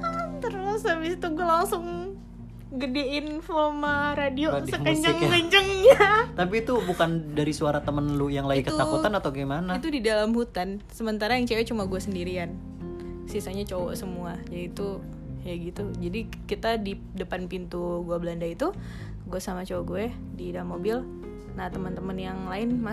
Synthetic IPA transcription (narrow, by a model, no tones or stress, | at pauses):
at̪ərmasabisit̪uɡualaŋsʊŋ | ɡədeinfomaɾadiosəkəɲd͡ʒəŋkəɲd͡ʒəŋɲat̪apiːt̪ubukandaɾisuaɾat̪əmənlujaŋlaikəut̪akut̪anat̪awɡimanait̪udidalamhut̪ansəmənt̪aɾajaŋt͡ʃawɛt͡ʃumaɡuasəndiɾian | sisaɲat͡ʃowɔsəmuad͡ʒaiːt̪u | jaɡit̪ud͡ʒadi | kit̪adi | dəpanpint̪uɡuabəlandait̪u | ɡuasamat͡ʃowɔɡuɛ | didalmːobɪl | nat̪əmənt̪əmənjaŋlaɪnma